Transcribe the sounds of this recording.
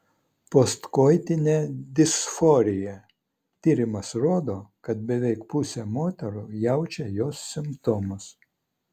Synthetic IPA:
post̪koːjt̪ʲɪnʲeːd̪ʲɪsfɔɾʲɪjɛ | t̪ʲiːɾʲɪmɐsɾoːd̪oːkɐt̪̚bʲɛʋʲɛɪkpʊsʲɛmoːt̪ʲɛɾʊjɛʊt͡ʃʲɛjoːsːʲɪmt̪oːmʊs

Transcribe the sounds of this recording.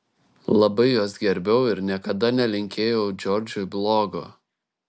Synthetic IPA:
lˠɐbɐɪjoːsɡʲɛɾʲbʲɛʊɪɾnʲiɛkɐd̪ɐnʲɛlʲɪŋʲkʲeːjoʊd͡ʒʲɔːɾʲd͡ʒʲʊblˠoːɡo̰ː

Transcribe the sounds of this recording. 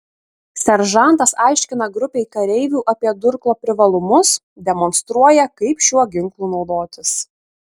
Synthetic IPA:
sʲɛɾʒɑˑnt̪ɐsɑˑɪʃʲkʲɪn̪ɐɡɾʊpʲeɪkɐɾʲɛɪʋʲuːʔɐpʲiɛd̪ʊɾklˠoːpʲɾʲɪʋɐlˠʊmʊs | d̪ʲɛmɔnst̪ɾuɔjɛkɐɪpʃʲuɔɡʲɪŋklˠuːnɒʊd̪oːt̪ʲɪs

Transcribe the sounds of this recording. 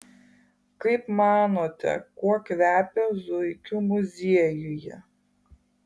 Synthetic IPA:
kɐɪpmɑːnoːt̪ʲɛ̰kuɔkʋʲæːpʲɛzʊɪkʲʊmʊzʲiɛjʊjɛ

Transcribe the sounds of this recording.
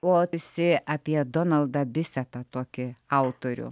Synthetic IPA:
oːɪsʲɪʔɐpʲiɛd̪onɐlˠd̪ɐbʲɪsʲɛt̪ɐt̪oːkʲɪɐʊt̪oːɾʲʊ̰

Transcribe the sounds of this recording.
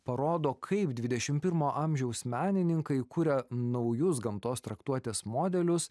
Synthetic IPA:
pɐɾoːd̪oːkʰɐɪpd̪ʲʋʲɪd̪ʲɛʃʲɪmpʲɪɾmoːʔɐmʲʒʲɛʊsmʲæːnʲɪnʲɪŋkɐɪkʊɾʲɛnɐʊjʊs̬ɡɐmt̪oːst̪ɾɐkt̪uɔt̪ʲeːsmoːd̪ʲɛlʲʊs

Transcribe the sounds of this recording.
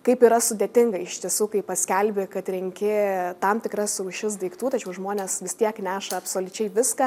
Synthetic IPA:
kɐɪpiːɾɐsʊd̪ʲeːt̪ʲɪŋɡɐɪɪʃt̪ʲiɛsuːkɐɪpɐsʲkʲɛlʲbʲɪkɐt̪ɾʲɪŋʲkʲɪt̪ɐmt̪ʲɪkɾɐsɛʊʃʲɪs̬d̪ɐɪkt̪uːt̪ɐt͡ʃʲɛʊʒmoːnʲeːsʋʲɪst̪ʲiɛknʲæːʃɐɐpsoːlʲʊt͡ʃʲɛɪʋʲɪskɐ

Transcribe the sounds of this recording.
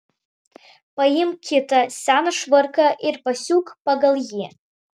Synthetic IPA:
pajɪmkʲʰɪtasʲanaʂvɨrkɐʔɪrpasʲukʰʼpaɡalˠji

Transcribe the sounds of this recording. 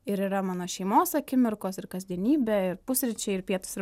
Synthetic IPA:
ɪɾiːɾɐmɑːnoːʃʲɛɪmoːsɐkʲɪmʲɪɾkoːsɪɾkɐzʲd̪ʲiɛnʲiːbʲɛɪɾpʊsʲɾʲɪt͡ʃʲɛɪɪɾpʲiɛt̪ʊ̥sɪɾ

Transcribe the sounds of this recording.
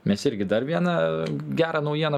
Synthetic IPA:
mʲɛsɪɾʲɡʲɪd̪ɐrʋʲiɛnɐɡʲæːɾɐnɐʊjiɛnɐ

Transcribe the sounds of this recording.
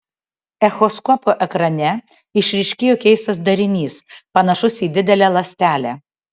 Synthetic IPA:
ɛxɔskɔpoʔɛkɾɐnʲɛ | ɪʃʲɾʲɪʃʲkʲɪjokʲɛɪst̪ɐs̬d̪ɐɾʲɪnʲiːspɐnɐʃʊsʲiːd̪ʲɪd̪ʲɛlʲæːlˠɐsʲt̪ʲæːlʲæ

